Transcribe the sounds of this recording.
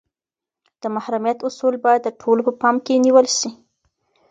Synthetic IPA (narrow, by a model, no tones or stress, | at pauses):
d̪̥əmahɾamijat̪ʊsulbɑjad̪ːəʈʰolopəpɑmkeniwəlʃi